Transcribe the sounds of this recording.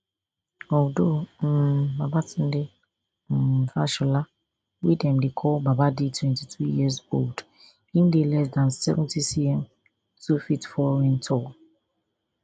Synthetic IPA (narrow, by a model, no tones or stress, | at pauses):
ɔwdombabatʰɪ̃ndɪ | m̩faʃʊla | widɛ̃mdɪkʰɔbabadɪtʰwɛ̃ntʰitʰɾijizold | ĩmdɪlɛs̬dãnsɛvɛ̃ntʰisiɛ̃m | sufitfɔɾɪ̃ntʰɔ